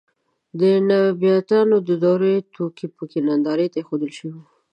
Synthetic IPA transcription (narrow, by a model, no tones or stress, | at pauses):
d̪ənabijat̪ɑnod̪əd̪ɑɾet̪ʰokipəkenand̪ɑɾet̪axod̪əlʃəwii